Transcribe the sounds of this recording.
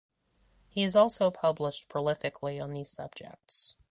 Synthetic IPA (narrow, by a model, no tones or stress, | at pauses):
hiɨzɔlˠsoʊpʰʌbləʃpʰɹ̥əlɪfɨkʰliə̃nðiz̥sʌ̰b̚d͡ʒɛ̰k̚ts